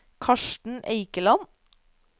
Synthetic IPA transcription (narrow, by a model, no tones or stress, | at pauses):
kʰɑʃʈɳ̩ʔḛɪkəlɑn